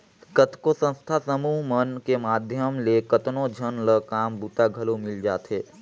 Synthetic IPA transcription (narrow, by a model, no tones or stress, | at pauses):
kət̪kosə̃nst̪ʰasəmuːɦmənkemaːd̪ʱjəmlekət̪nõd͡ʒʱənləkaːmbuːt̪aɡʱɐlomɪld͡ʒaːt̪ɦeː